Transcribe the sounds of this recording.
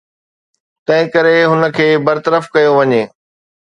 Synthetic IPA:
t̪ɐ̃ɦɪ̃kɐɾeɦʊnə̆kʰeːbɐɾt̪əɾəfkɐjoʋɐɲeː

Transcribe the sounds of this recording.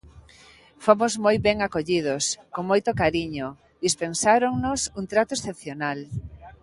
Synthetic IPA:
fomozmojbɛŋakoʎið̞oskoŋmojt̪okaɾiɲo | d̪ispensaɾoŋnosuŋt̪ɾat̪oesθep̚θjonal

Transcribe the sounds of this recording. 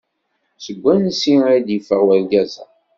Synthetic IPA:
səɡʷːænsiad̪jəfəʁwælɡæzæ

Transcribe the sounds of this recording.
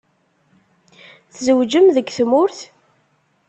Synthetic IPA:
θzəwd͡ʒəmðəɡθmʊɾθ

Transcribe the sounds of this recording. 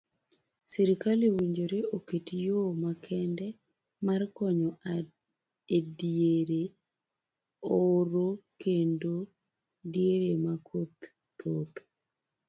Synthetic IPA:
sɛɾikalewiɲd͡ʒoɾeʔoketjomakʰɛndɛ | markɔɲɔʔa | edieɾe | oɾokendo | dieɾemakʰot̪ː | ot̪

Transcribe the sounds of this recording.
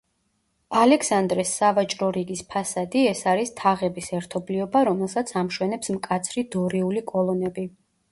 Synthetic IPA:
alɛksand̪ɾɛsːavat͡ʃʼɾɔɾiɡispʰasad̪iɛsaɾist̪ʰaʁɛbisɛɾt̪ʰɔbliɔbaɾɔmɛlˠsat̪sʰamʃwɛnɛpsmkʼat̪sʰɾid̪ɔɾiulikʼɔlˠɔnɛbi

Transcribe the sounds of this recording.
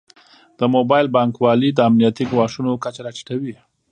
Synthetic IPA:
d̪̥əmobɑjlbɑŋkwɑlid̪əamnijat̪iɡwɑʂunokat͡ʃaɾat͡ʃi̥ʈawi

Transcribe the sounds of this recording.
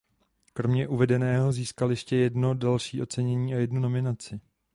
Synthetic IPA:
kɾo̞mɲɛʔuvɛdɛnɛːɦo̞ziːskaljɛʃcɛjɛdno̞dalʃiːʔo̞t͡sɛɲɛɲiːajɛdnuno̞mɪnat͡sɪ

